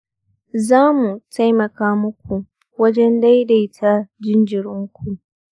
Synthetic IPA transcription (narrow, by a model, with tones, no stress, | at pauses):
zaː˦mu˨ta˦jmɐ˨kaː˦mʊ˦k̚ʷʰu˨ | wɐ˦d͡ʒɛ˦nda˦jda˨˦tʰa˦d͡ʒɪ˦nd͡ʒɪ˨ɾʊ˦ŋkʷʰu˨